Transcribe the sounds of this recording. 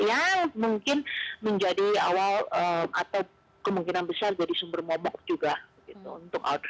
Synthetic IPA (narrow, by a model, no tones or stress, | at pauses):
jaŋmuŋkɪnməɲd͡ʒadia̰waləmʔat̪aw | kəmuŋkinanbəsard͡ʒadisumbərmɔmɔk̚d͡ʒuɡaɡit̪uːnt̪ʊka̰d